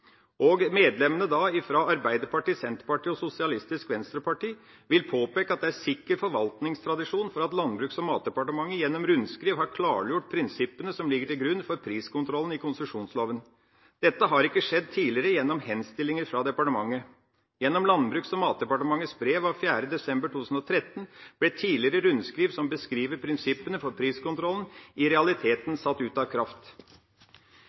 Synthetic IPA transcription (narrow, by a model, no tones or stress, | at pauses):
ɔɡmeːd̪lɛmːənəd̪ɑɪfɾɑɑɾbæɪd̪əɾpɑʈiːsɛnt̪əɾpɑʈiːɔsʊsɪɑlɪst̪ɪskʋɛnst̪ɾəpɑʈiː | ʋɪlpʰoːpeːkəɑt̪̚d̪ɛæɾsɪkːəɾfɔɾʋɑlt̪nɪŋst̪ʰɾɑd̪ɪʂuːnfɔɾɑt̪lɑnbɾʉːksɔmːɑːt̪̚d̪ɛpɑʈəmɑŋːəjɛnːɔmɾʉnskɾiːʋhɑɾkʰlɑːɾjʊʈ̚ːpʰɾɪnsɪpːənəsɔmlɪɡːəʈɪlɡɾʉnːfɔɾpʰɾiːskʊnt̪ʰɾɔlən̩ɪkʰʊnsəʂuːnsloːʋən | d̪̥ɛt̪ːəɦɑɾɪkːəʂɛd̪̚t̪ʰiːlɪəɾəjɛnːɔmhɛnst̪ɪlːɪŋəɾfɾɑd̪ɛpɑʈəmɑŋːə | jɛnːɔmlɑnbɾʉːksɔmːɑːt̪̚d̪ɛpɑʈəmɑŋːət̪sbɾeːʋɑʋfjæːɾəd̪ɛsɛmbəʈʰuːʉsn̩ɔt̪ʰɾɛt̪ːənb̥lɛt̪ʰiːlɪəɾəɾʉnd̪skɾiːʋsɔmbəskɾiːʋəɾpʰɾɪnsɪpːənəfɔɾpʰɾiːskʊnt̪ʰɾɔlən̩ɪɾɛɑlɪt̪ʰeːt̪nsɑt̪ːʉːt̪ɑʋkʰɾɑft̪